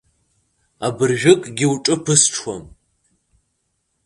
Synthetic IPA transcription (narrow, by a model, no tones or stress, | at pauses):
abɨrʒᶣɪkʼɡʲɪwʈ͡ʂʼɨpʰɨsʈ͡ʂʰwɔ̰m